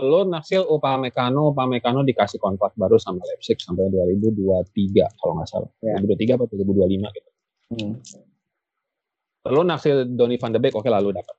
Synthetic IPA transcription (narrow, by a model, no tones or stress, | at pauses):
t̪əlonaksɪlupamekanop̬amɛkanodikasɪhkɔnt̪ak̪̚baɾusamalɛp̚sɪk̚sampajaduaɾibuduat̪iɡa̰kaloŋa̰sa̰lɾibuduat̪iɡapaduaɾibudualima̰ɡit̪u̥ | t̪əlonaksɪldonifandəbɛkokelaludapət̪̚